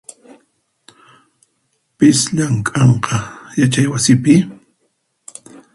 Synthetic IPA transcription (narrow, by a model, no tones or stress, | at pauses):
pɪsʎaŋkʼɑɴqɑjat͡ʃajwasɪpɪ